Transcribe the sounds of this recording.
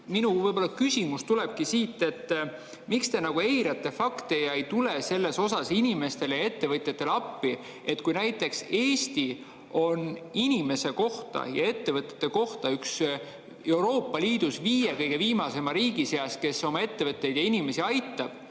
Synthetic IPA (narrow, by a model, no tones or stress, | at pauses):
minuvɤjb̥o̞lːɑkysʲimust̪uleb̥̚kisiːt̪ːˑe̞t̪ː | mikst̪e̞nɑɡ̥ue̞jɾɑt̪ːˑe̞fɑkt̪e̞jɑejt̪ule̞se̞lːe̞so̞sɑsinime̞st̪e̞ljɑe̞t̪ːe̞vɤt̪ʲˑjɑt̪ːˑe̞lɑpːi | e̞t̪kujnæjt̪ːˑe̞kse̞ːsʲt̪i | o̞ninʲime̞se̞ko̞ht̪ɑ̰jɑ̰e̞t̪ːe̞vɤt̪ʲːˑɑ̥t̪ːˑe̞ko̞ht̪ɑyks | e̞wɾo̞ːpˑːɑliːd̪̥usviːjekɤjɡe̞viːmɑse̞mɑɾiːɡise̞ɑske̞so̞mɑe̞t̪ːe̞vɤt̪ˑːe̞jd̪̥jɑinime̞siɑjt̪ːˑɑb̥